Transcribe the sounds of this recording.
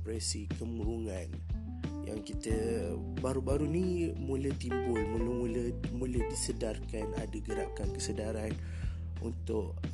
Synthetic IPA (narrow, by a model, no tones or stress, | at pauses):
pɾɛsikəmuɾuŋan | ja̰ŋkit̪ə | baɾubaɾunimuləht̪imbʊlmuləmuləmulədisədarkana̰daɡəɾakankəsədaɾan | ṵnt̪ʊʔ̚